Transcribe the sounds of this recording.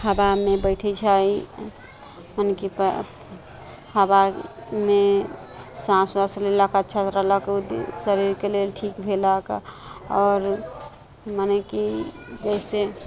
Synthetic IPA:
həbamebəɪʈʰɛt͡ʃʰəi | mənekip | həbame | sãswaslelakat͡ʃʰət̪ɾəɦləkud̪səɾiɾkelelʈʰikbʱeləkɔːɾ | məneki | d͡ʒəɪse

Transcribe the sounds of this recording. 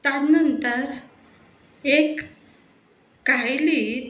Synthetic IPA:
t̪janənt̪əɾ | ek | ɡajli

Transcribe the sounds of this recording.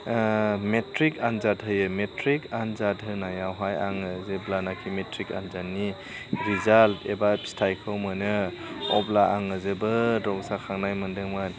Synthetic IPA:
metɾikanzat̚ɦɯjɯmetʰɾikanzatɦɯnajawɦajaŋɯzeblanakʰimetʰɾika̰nzanːi | ɾizaltebastʰajkʰɯwmɯnɯɔ̰blaʔaŋɯzɯbɯdɔksakʰaŋnajmɯndɯŋmɯn

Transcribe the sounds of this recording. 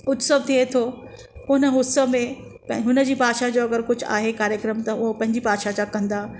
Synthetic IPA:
ʊt̪səb̚t̪ʰiet̪ʰo | ʊnə̆ɦʊsəmẽ | pɦʊnəd͡ʑiːpaːʃad͡ʑoːɐɡəɾkʊd͡ʑʱʊa̰ːɦekaːɾjəkɾəmt̪ɐʊɦopɐ̃ɦɪ̃ɲd͡ʑipaːʃat͡ɕakɐ̃nd̪aː

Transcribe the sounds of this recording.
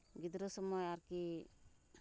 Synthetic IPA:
ɡid̪ɾɔsɔmɔjaɾki

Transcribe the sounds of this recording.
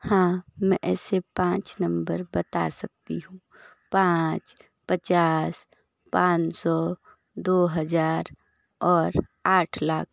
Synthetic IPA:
hãːmɛ̃ʔɛːsepãːt͡ʃnə̃mbəɾbət̪a̰sək̚t̪iɦũ | pãːt͡ʃ | pət͡ʃaːs | pãːt͡ʃsɔ | d̪oːɦəd͡ʒaːɾ | ɔːɾaːʈʰlaːk̚ʰ

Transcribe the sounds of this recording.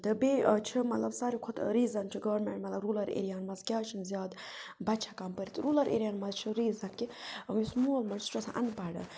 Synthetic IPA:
t̪ɨbeːt͡ʃʰimɐt̪lɐbsaːɾikʰot̪ɾiːzɐnt͡ʃʰiɡɐʋɾmeɳʈmɐt̪lɐbɾuːlɐɾḛɾijaːnmɐzkʲjaːt͡ʃʰinzʲjaːd̪ | bɐt̪t͡ʃʰakampəɾit̪ɨɾuːlɐɾʔḛɾijaːnmɐzt͡ʃʰiɾiːzɐkːimismuːlmɐnst͡ʃʰosʰa̰ʔɐ̰npaɽɐ̰

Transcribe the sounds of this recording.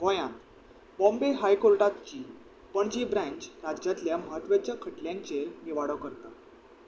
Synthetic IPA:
ɡɔjãnt̪ | bɔ̃mbeɦajkoɾʈat̪t͡ɕiː | pəɳd͡ʑibɾãɲt͡ɕɾad͡ʑat̪ljaməɦət̪ʋat͡ɕjakʰəʈljãɲt͡ɕeɾniʋaɽəkəɾt̪a

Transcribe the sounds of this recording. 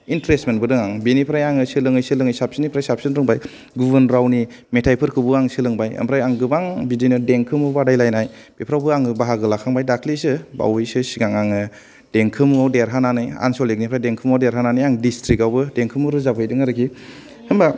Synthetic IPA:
intɾestmenbɯdɯŋaŋbinipʰɾajaŋɯsɯlɯŋɯjsɯlɯŋɯjsap̚sɯnipʰɾajsap̚sɯnɾɯŋbaj | ɡubɯnɾawni | metʰajpʰɯɾkʰɯbuaŋsɯlɯŋbajɐ̰mpʰɾajaŋɡɯbaŋbidinɯdeŋkʰɯmɯbadajlajnaj | b̥epʰɾawbɯaŋɯbaɦaɡɯlakʰaŋbajdakʰlisɯba̰wɯjsɯsiɡaŋaŋɯ | d̥eŋkʰɯmawdeɾɦananɯja̰nsɔlek̚nipʰɾajdeŋkʰɯmawdeɾɦananɯjaŋdistɾikawbɯdeŋkʰɯmuɾɯzabʰɯjdɯŋaɾɯkʰihɯmba

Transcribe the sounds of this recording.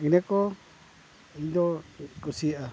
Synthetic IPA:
ĩnẽko | ind̪okosiʔa

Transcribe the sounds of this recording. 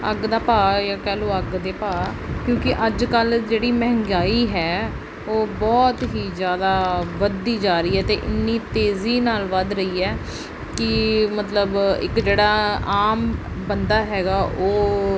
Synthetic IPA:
əɡd̪aːpaːjaːkɛːloːəɡd̪eːpaːkjõːkɪʔəd͡ʒkəld͡ʒeːɽiːmɛɦŋɡaːiːɦɛː | oːbɔːt̪ɦiːzjaːd̪aːʋəd̪iːd͡ʒaːɾəiːɦɛːt̪eːʔɪnːiːt̪eːziːnaːlʋəd̪ɾəiːɛː | kɪmət̪ləbɪ̰kd͡ʒeːɽaːaːm | bənd̪aːɦɛːɡaːʔoː

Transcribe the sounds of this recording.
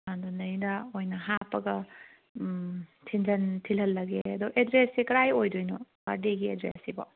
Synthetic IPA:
adunɐjnɐojnɐɦapːɐɡɐ | tʰind͡ʒɐntʰilhɐlːɐɡeɐdɔʔedɾesikɐɾajojdojnobaɾdeɡiedɾḛsibo̰

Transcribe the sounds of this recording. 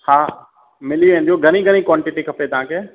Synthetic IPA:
haː | mɪliʋẽːn̆d̪ioɡʱɐniɡʱɐñikwɔːɳʈɪʈikʰɐpet̪ɐʋ̤ãkʰeː

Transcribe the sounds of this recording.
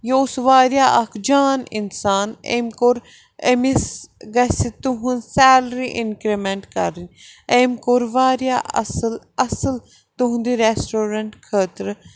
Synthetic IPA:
joːsʋaːɾjaːʔɐkʰd͡ʒaːninsaːnḛmkoɾ | emisɡɐsit̪uɦunsɛːlɾiʔinkɾimeɳʈkɐɾinʲemkoɾʋaːɾjaːɐsl | ɐsəl | t̪uɦũnd̪iɾesʈoːɾɐɳʈkʰəːt̪ɾ

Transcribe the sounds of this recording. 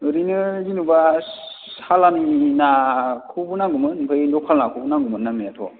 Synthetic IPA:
ɾinɯzinuba | salaminakʰubunaŋɡumɯnpʰɯjndɔkʰalnakʰubunaɡumɯnːamijatʰɔ̰

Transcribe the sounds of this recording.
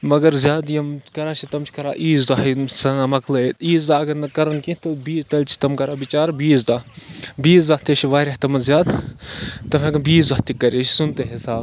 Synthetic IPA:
mɐɡɐɾzjaːd̪jɐmkɐɾaːt͡ʃʰit̪ɐmt͡ʃʰi̥kɐɾaːʔiːzd̪aːɦisɐnamɐklɐet̪iːzd̪aːɐɡɐɾnɐkɐɾɐnkĩt̪ɐbiːzt̪ɐlʲt͡ʃʰi̥t̪ɐmkɐɾaːbit͡ʃaːɾbiːzd̪aːbiːzd̪aːht̪eʃʰiʋaːɾʲaht̪ɐmɐzjaːd̪ | t̪ːɐmẽɡɐnbiːzɐht̪ikɐɾeʃsunt̪eɦesaː

